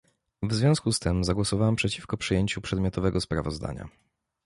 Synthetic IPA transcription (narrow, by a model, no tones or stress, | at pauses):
vzvʲjɔ̃skust̪ɘmzaɡwɔsɔvawampʂɛt͡ɕifkɔpʂɨjeɲt͡ɕupʂɛd̪mʲjɔt̪ɔvɛɡɔspɾavɔzd̪a̰ɲa̰